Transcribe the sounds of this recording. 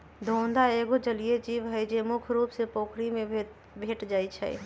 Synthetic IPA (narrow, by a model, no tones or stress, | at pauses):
d̪ʱoːnd̪aeːɡod͡ʒəlied͡ʒiːʋɦəed͡ʒeːmʊkʰɾuːpsepoːkʰɾimẽ | bʱeːʈd͡ʒaːit͡ʃʰə̰ḛ